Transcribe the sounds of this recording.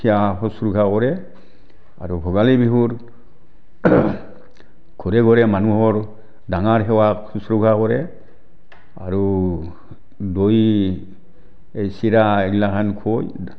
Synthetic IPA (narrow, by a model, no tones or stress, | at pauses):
tʰijaɦɔsɾukʰakɔɾɛ | aɾubʱɔɡalibiɦuɹ | kʰɔɾɛɡɔɾɛmanuɦɔɹ | daŋaɹɦɛwasusɾukʰakɔɹɛ | a̰ɹu | doj | ejsiɾaeɡilakʰankʰoj